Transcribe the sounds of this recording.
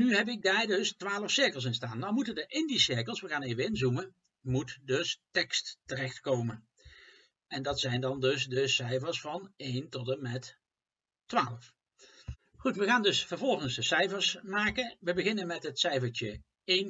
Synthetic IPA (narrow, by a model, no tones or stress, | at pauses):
nyɦɛpɪɡ̚daːɹdɵstʋaːləfsɪɹkəlˠs̬ɪnstaːnːawmutəndəʔɪndisɪɹkəlˠsʋəɣaːnejvəɪnzumə | mutdɵstɛkstərɛχtkowmən | ɛndɑtsɛjndɑndɵsdəsɛjfəɹsfɑnejntɔtəmɛt | tʋaːləf | χutʋəɣaːndɵsfəɹvɔlˠχənzdəsɛjfəɹsmaːkəʋəbəɣɪnənmɛtɦətsɛjfəɹt͡ʃə | ejn